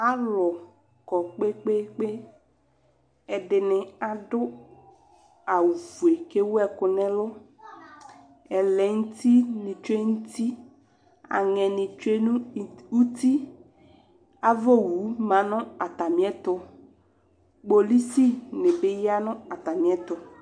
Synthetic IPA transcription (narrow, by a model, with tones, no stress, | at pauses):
a˦lɔ˨ | kɔ˨k͡pe˦k͡pe˦k͡pe˦ | ɛ˨dɪ˨nɪ˨a˨dʊ˦ | a˨wu˨vu˨e˨ke˦wɛ˦˨kʊ˨nɛ̃˦lʊ˦ | ɛ˨lɛ˨ŋ̩˦t̪i˦nɪ̃˨t͡ʃe˦ŋu˦t̪i˦ | a̰˨ŋɛ̃˨nɪ̃˨t͡ʃe˦n˦u˦t̪i˦ | a˨vo˦˨wu˨˦mã˨nʊ̃˦a˨t̪a˨mĩ˨˦ɛ˦t̪ʊ˦ | k͡po˨li˦si˦nɪ˨bɪ˦ja˦nʊ̃˦a˨t̪a˨mĩ˨˦ɛ˦t̪ʊ˨